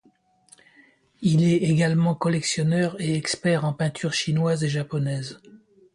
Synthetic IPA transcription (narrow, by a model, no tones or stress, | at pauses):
ilɛeɡalmɑ̃kɔlɛksjɔnœʁeɛkspɛʁɑ̃pɛ̃t̪ʰyʁʃinwazeʒapɔnɛz